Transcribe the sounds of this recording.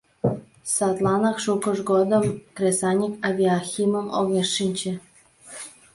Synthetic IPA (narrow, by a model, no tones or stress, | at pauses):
sɑt̪lˠɑnɑkʃukə̆ʒɡod̪ə̆mkrʲesɑnʲikɑvʲiaxʲiməmoɣeʃːinʲt͡ɕĕ